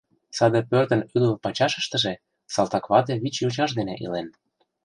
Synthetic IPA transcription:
sɑd̪epørt̪ə̆nyd̪əlpɑt͡ɕɑʃə̥̆ʃt̪ə̆ʒĕ | sɑlˠt̪ɑkβɑt̪eβit͡ɕjut͡ɕɑʃd̪enḛʔḭlen

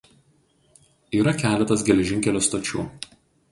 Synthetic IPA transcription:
iːɾɐkʲæːlʲɛt̪ɐs̬ɡʲɛlʲɛʒʲɪŋʲkʲɛlʲoːst̪ot͡ʃʲṵː

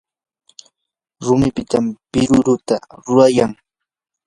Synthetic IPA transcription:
ɾʊmɪpɪt̪ampɪɾʊɾʊt̪aɾʊɾajaŋ

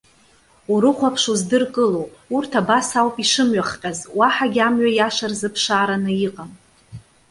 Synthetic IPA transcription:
uɾɨχʷapʰʂuzdɨrkʼɨlowurtʰabasawpʼiʂɨmɥaχqʲʼazwaħaɡʲamɥajaʂarzɨpʰʂaːɾanɨiqʼam

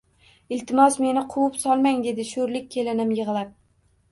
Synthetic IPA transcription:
ɪlt̪ʰɪmɒsme̞nɪqʰʊwʊpsɒlˠmaŋd̪e̞d̪ɪʃoɾlɪk̚ʲkʰʲːe̞lɪnɪmjɨʁlˠap̚

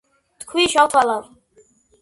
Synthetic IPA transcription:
t̪kʰwiʃawt̪ʰwalav

